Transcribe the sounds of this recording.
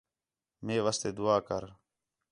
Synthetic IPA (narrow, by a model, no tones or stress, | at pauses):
meːʋaːst̪eːd̪ʊaːkə̰ɾ